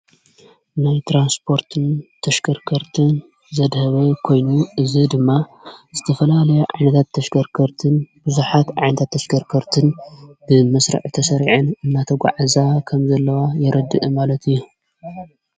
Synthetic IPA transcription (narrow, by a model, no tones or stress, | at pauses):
najt̪ʰɾanspʰo̞ɾt̪ʰɨnt̪ʰɐʃkʰɐɾkʰɐɾt̪ʰɨn | zɐd̪hɐβɐkʰo̞jnuɨzid̪ɨmːazɨt̪ʰɐfɐlalɐjeʕa̰jnɐt̪ʰat̪ʰːɐʃkɐɾkʰɐɾt̪ʰɨnb̥ɨzuħat̪ʕa̰jnɐt̪ʰat̪ʰːɐʃɡʰɐɾkʰɐɾt̪ʰɨnbɨmɐsɾɨ̰ʕt̪ʰɐsɐɾiʕɨnɨnːat̪ʰɐɡʷa̰ʕazakʰɐmzɐlːɐwajɛɾʔɐd̪ːɨʔɨmalɐt̪ʰɨjːu